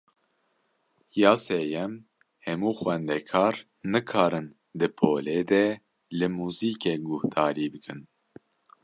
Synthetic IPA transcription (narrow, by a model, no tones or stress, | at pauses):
jɑːseːjɛm | hɛmuːxwɛnd̪ɛkʰɑːɾ | nɨkʰɑːɾɨn | d̪ɨpʰoːleːd̪ɛ | lɨmuːziːkɛɡʊht̪ɑːɾiːbɨkʰɨn